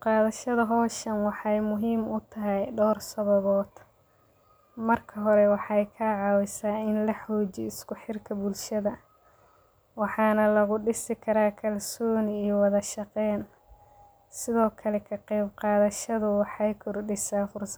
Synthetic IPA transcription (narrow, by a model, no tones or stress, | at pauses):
qɑːðɐʃɐðɐɦɔːʃɐnwɑħɑjmʊɦiːmʊt̪ʰɐɦɛjɖɔːrsɐβɐβɔːd̪̥ | mɐrkʰɐɦɔɾɛwɑħɑjkʰaːʕɑwɪsaːɪnlɐħɔːt͡ʃɪ̰ɪskʊħɪrkʰɐbʊlʃɐðɐ | wɑħɑːnɐlɐɣʊɖɪsɪkʰɐɾaːkʰɐlsɔːniwɑðɐʃɑqɛːn | sɪðɔːkʰɐlɛkʰɐqɛjbqɑːðɐʃɐðʊwɑħɑjkʰʊrɖɪsaːfʊrsɐ